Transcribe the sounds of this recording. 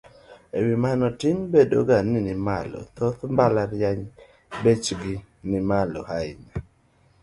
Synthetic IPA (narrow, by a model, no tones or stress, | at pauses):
ewimanɔtɪmbedo̰ɡanɪnɪmalɔ̰t̪ot̪mbalaɾjaɲ | bet͡ʃɡɪ | nɪmalɔ̰haɪ̰na